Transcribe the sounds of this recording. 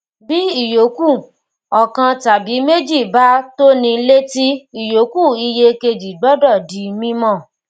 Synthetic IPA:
bi˦i˦˨jo˨˦ku˦˨ | ɔ˨kã˧ta˨bi˨˦me˦d͡ʒi˦˨ba˦to˦nĩ˧˦le˦ti˦i˦˨jo˨˦ku˦˨i˧je˧ke˧d͡ʒi˨ɡ͡bɔ˦dɔ˦˨di˨˦mĩ˦mɔ̃˦˨

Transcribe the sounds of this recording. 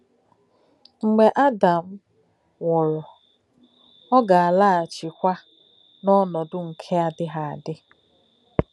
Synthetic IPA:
ŋ͡m̩˨ɡ͡be˨ʔa˦da˨m̩˦ | wɔ˨ɾɔ˨ | ɔ˦ɡa˨a˨la˦a˨t͡ʃɪ˨kʷa˦ | nɔ˦nɔ˨dʊ˦ŋ̩˨kʰe˦a˨dɪ˦ɦa˨a˨dɪ˦

